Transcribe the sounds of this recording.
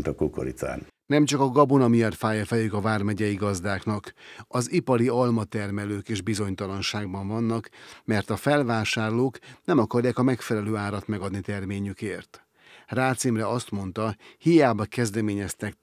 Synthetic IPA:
nt̪ɒkoko̰ɾit̪sa̰ːn | nɛmt͡ʃɒkɒɡɒbonɒmiɒrfaːjɒfɛlykɒvaːrmɛɟɛjiɡɒzd̪aːknɒkɒzipɒɾiɒlmɒt̪ɛrmɛløːkeːʒbizo̞ɲt̪ɒlɒnʃaːɡbɒɱvɒnːɒkmɛrt̪ɒfɛlvaːʃaːrloːknɛmɒkɒrjaːkɒmɛkfɛlɛløːaːɾɒt̪mɛɡɒd̪nit̪ɛrmeːɲykeːrt̪ | raːt̪simrɛɒst̪mo̞n̪t̪ɒhijaːbɒkɛzd̪ɛmeːɲɛst̪ɛk

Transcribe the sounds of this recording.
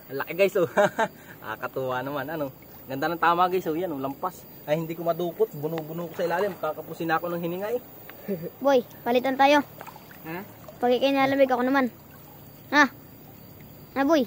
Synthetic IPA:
ɐlɐkɪɡajsoha | ʔa̰kɐt̪uanɐmanɐno | ɡɐnd̪anɐŋt̪aːmaɡajsojanolɐmpas | ʔɐjhɪnd̪iːkomɐd̪uːkot̪̚bʊnubʊnukosɐʔɪlaːlɪmpaːɐkɐpusɪnaːkonɐŋhɪnɪŋaj | boj | pɐlɪt̪ant̪aːjo̞ | ha | pɐɡkɪkɐjnɪaːlɐmɪɡɐkonɐman | ha | aboj

